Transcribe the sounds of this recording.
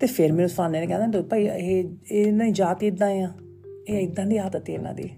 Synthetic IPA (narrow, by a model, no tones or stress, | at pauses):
t̪eːpʰeɾmɛ̃ːnũsãːneːnẽːkɛ̃ːd̪ãːd̪pəiːɦeːnãːĩːd͡ʒaːt̪iːd̪ãːjãː | eːɪk̚d̪ãːd̪iːɦaːt̪ət̪ːeːla̰ːd̪ḭː